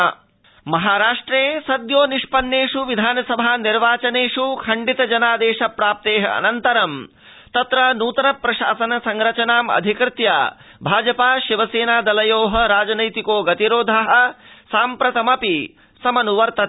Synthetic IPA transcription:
mɐɦaːɾaːʂʈɾeːsɐd̪joːniʂpɐnːeːʂuʋid̪ʱaːnɐsɐbʱaːniɾʋaːt͡ʃɐneːʂukʰɐɳɖit̪ɐd͡ʒɐnaːd̪eːʂɐpɾaːp̚t̪eːɦɐ̰ɐ̰nɐnt̪ɐɾɐm | t̪ɐt̪ɾɐnuːt̪ɐnɐpɾɐʃa̰ːsɐnɐsɐŋɾɐt͡ʃɐnaːmɐ̰d̪ʱikɾt̪jaː | bʱaːd͡ʒɐpaːʃiʋɐseːnaːd̪ɐlɐjoːɦɐ̆ɾaːd͡ʒɐnɐjt̪ikoːɡɐt̪iɾoːd̪ʱɐɦɐ̆saːmpɾɐt̪ɐmɐpi | sɐmɐnuʋɐɾt̪ɐt̪

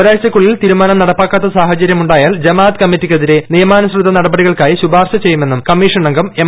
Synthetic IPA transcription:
ɾaːɕɐkːuɭːilt̪iːɾumaːnɐmnɐɽɐpːaːkːɐt̪ːɐsaːhɐt͡ɕɐɾjɐmuɳɖaːjaːld͡ʑɐmaːt̪kɐmːitːikʲːɐðiɾe̞nijɐmaːnɐsrud̪ʱːɐnɐɽɐbɐɽiɣɐɭkaːjiɕubaːrʂɐt͡ɕe̞jume̞nːumkɐmːiːʂɐɳɐŋɡɐme

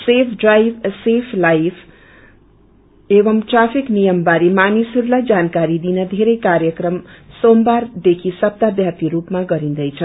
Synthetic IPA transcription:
sepʰɖrajbsepʰlajpʰ | ebʌmʈrapʰiknijʌmbaɾimanisʌɾulajd͡zankaɾid̪inʌd̪ʱeɾʌjkaɾjəkɾʌmsombaɾd̪ekʰisʌp̚t̪abjat̪iɾupmaɡʌɾĩnd̪ʌjt͡sʰʌ

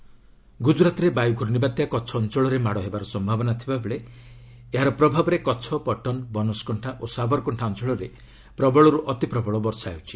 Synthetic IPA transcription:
ɡud͡ʒɾat̪ɔɾebajuɡʱuɾnibat̪jakɔt͡ʃʰɔːnt͡ʃɔɭɔɾemaɽɔɦebaɾɔsɔmbʱabɔnat̪ʰibabeɭe | eɦaɾɔpɾɔbʱabɔɾekɔt͡ʃʰɔpɔʈɔnbɔnɔskɔɳʈʰaʔosabɔɾkɔɳʈʰaɔnt͡ʃɔɭɔɾe | pɾɔbʱɔɭɔɾuʔɔt̪ipɾɔbʱɔɭɔbɔɾsajuwt͡ʃʰi̥

